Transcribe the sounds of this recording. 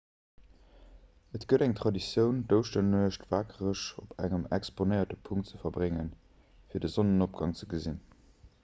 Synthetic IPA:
ətɡ̥əɾæŋtʁɑdisjəʊndəʊʃtənuəʃtvaːkʰəʁəʃopʰæ̰ŋəmɛksponəɪɐtəpʰuŋtt͡səfɐbʁeŋən | fiːɐdəzonənop̚ɡ̥ɑŋt͡səɡəzin

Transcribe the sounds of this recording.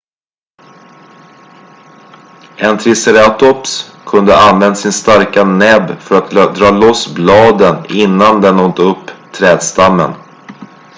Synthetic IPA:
ɛnt̪ʰɾɪsɛɾɛat̪ɔpskʰɵnd̪əanvɛnd̪asɪnst̪aɾkanɛbfœɾat̪̚d̪ɾɑːlɔsblɑːd̪ənɪnːand̪ɛnɔnt̪əɵpːt̪ʰɾɛːd̪st̪amːə̰n

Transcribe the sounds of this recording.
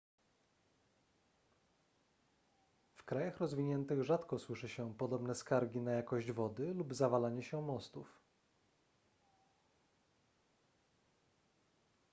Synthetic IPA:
fkɾajaxɾɔzvʲiɲɛnt̪ɘɣʐat̪kɔswɘʂɘɕɛpɔd̪ɔbnɛskaɾɡʲinajakɔʑd͡ʑvɔd̪ɘlubzavalaɲɛɕɛmɔst̪uf

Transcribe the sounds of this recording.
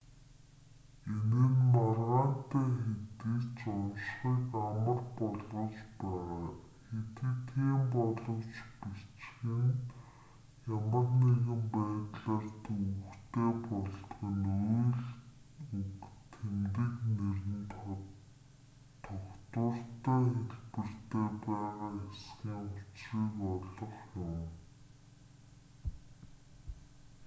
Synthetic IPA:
enɘ̆nmarʁaːn̥t̪æːxet̪iːt͡ɕɔwʃχiːkamə̆rpɔɮʊ̆t͡ɕpæːʁaː | xet̪ɘ̆t̪ʰiːmpɔɮɞ̆wt͡ɕpit͡ɕxɘ̆n | jamə̆rneɣɘ̆mpæːt̪ɮaːrt̪ukt̪eːpɔɮt̪̆ɣə̆nujɮ | ukt̪ʰemt̪ɘ̆knerɘ̆n | t̪ʰɔkt̪ʊːr̥t̪æːxeɮpɘ̆r̥t̪eːpæːʁaːesɡiːŋʊt͡sriːkɔɮɞ̆χjʊm

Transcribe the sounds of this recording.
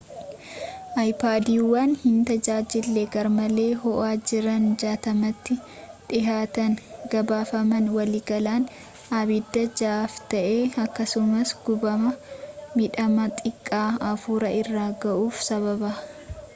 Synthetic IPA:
ʔɐjpaːd̪iːwaːnhɪnt̪ɐd͡ʒaːd͡ʒɪlːeɡɐɾmɐle̞ːɦɔʔaːd͡ʒɪɾɐnd͡ʒaːt̪ɐmɐt̪ːɪ | ᶑɪɦaːt̪ɐnɡɐbaːfɐmɐnwɐliːɡɐlaːn | aβɪd̪ːɐd͡ʒaːft̪ɐʔeːɐkːɐsʊmɐsɡ̥ʊbɐmɐmɪᶑɐmɐt̪ʼɪkʼːaːɐfuːɾɐʔɪrːaːɡɐʔuːfsɐβɐbaː

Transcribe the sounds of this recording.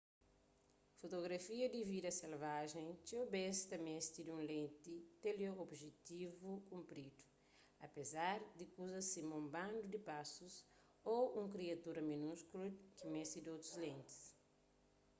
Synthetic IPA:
fot̪oɡɾɐfiɐd̪ividɐselvaʒẽj̃t͡ʃiobest̪ɐmest̪id̪ũnlẽnt̪it̪eloobʒet̪ivukũmpɾid̪u̥ | ɐ̰pezaɾd̪ikuzɐsimũmbãnd̪ud̪ipasus | oũŋkɾiɐt̪uɾɐminuskulukimest̪id̪owt̪ɾuzlẽnt̪i̥s

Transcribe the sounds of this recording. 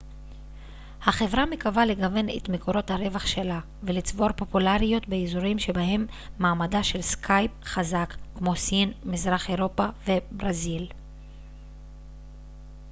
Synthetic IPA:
haχe̞vʁamekavaleɡave̞nḛt̪meko̞ɾo̞t̪haɾe̞vaχʃe̞la | velit͡sbo̞ɾpo̞pulaʁijo̞t̪beizuʁimʃe̞bahe̞mː | aːmadaʃe̞lskʰajp̚χazakkmo̞sinmizʁaχe̞ʁo̞pave̞bʁazil

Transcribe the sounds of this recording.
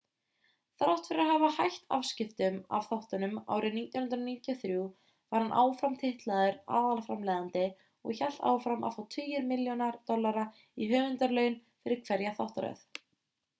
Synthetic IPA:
θawht̪fɪɾɪɾaɾɦavahajht̪a̰fscɪft̪ʏma̰vθawht̪ʏnʏma̰ːwɾʔɪniːt̪jɔnhʏnɾaniːt̪jɔθɾju | vaɾ̥hanʔaːwfɾamt̪ʰɪht̪laðʏɾa̰ːðalafɾamlɛːðant̪ɪ | ɔ̰ɣçɛl̥t̪a̰ːwfɾama̰fawt̪ʰʏjɪɾmɪljɔnaɾt̪ɔlːaɾa | iɦœːvʏnt̪aɾlœːɥn | fɪɾɪɾ̥kʰvɛɾjaθawht̪aɾœ̰θ

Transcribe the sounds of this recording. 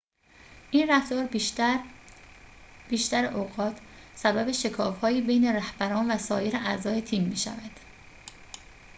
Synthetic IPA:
ʔiːnræft̪ɒːɾ | b̥iːʃt̪æɾeʔoːɣɒːt̪ʰ | sæbæbe̞ʃekʰɒːfhɒːjiːbe̞jne̞ɾæhbæɾɒːnvæsɒːje̞ɾeʔæzɒːje̞t̪ʰiːmːiːʃæ̰væd̪̥

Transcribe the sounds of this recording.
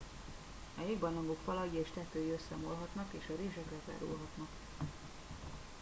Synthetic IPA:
ɒjeɡbɒnɒŋɡokfɒlɒɡieːʃt̪ɛt̪øːjiøsːɛmolɦɒt̪nɒkeːʃɒɾeːʒɛkɛt̪ɛ̰ɾṵlɦɒt̪nɒk

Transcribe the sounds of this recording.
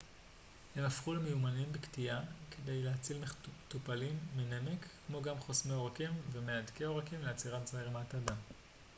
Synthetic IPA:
he̞mafχulemejumanimbektiake̞de̞jleat͡silmetupalimːenemekːmo̞ɡamχosmeo̞ʁakimvemeadkeo̞ʁakimleat͡siʁatzaiʁemataːdam

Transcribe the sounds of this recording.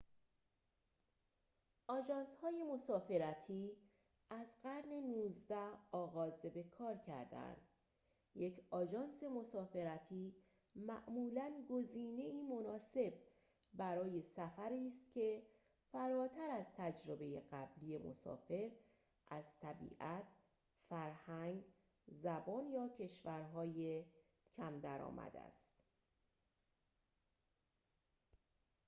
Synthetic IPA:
ʔɒːd͡ʒɒːnshɒːje̞mo̞sɒːfe̞ɾæt̪ʰiː | æzɢæɾne̞nuːzd̪æhɒːɣɒːzebe̞kʰɒːɾcʰæ̰ɾd̪æ̰nd̪̥ | je̞cʰɒːd͡ʒɒːnse̞mo̞sɒːfe̞ɾæt̪ʰiː | mæʔmuːlænɡoziːne̞iːmo̞nɒːse̞b̚ | bæɾɒːje̞sæfæɾiːst̪cʲʰe̞ | fæɾɒːt̪ʰæɾæzt̪ʰæd͡ʒɾe̞be̞je̞ɢæblije̞mo̰sɒ̰ːfe̞ɾ | ʔæzt̪ʰæbḭːʔæt̪ʰ | fæɾhæŋɡ | zæbɒːnjɒːcʰe̞ʃvæɾɦɒːje | cʰæmd̪æɾɒ̰ːmæ̰d̪æ̰st̪

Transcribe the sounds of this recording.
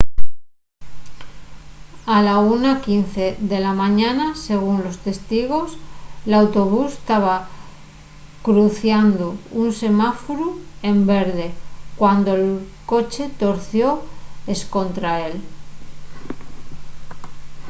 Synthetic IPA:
alaunakinθe̞ðe̞lamãɲanase̞ɣ̞unlo̞st̪e̞st̪iɣ̞o̞slawt̪oβ̞ust̪aβ̞a | kɾuθjand̪ounse̞mafoɾue̞mbe̞ɾðe̞kwand̪o̞elko̞t͡ʃe̞t̪o̞ɾθjo̞e̞sko̞nt̪ɾae̞l

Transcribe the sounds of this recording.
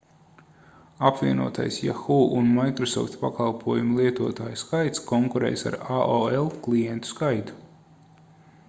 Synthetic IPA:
apviɛnṵɔt̪a̰jsja̰xuːʔunmajkɾɔsɔ̰ft̪pakalˠpʰuɔjumulˠiɛt̪uɔt̪aːjuskajt̪skɔŋkuɾɛ̰ːjsa̰ɾaoɛlˠklijɛnt̪u̥skajt̪u̥

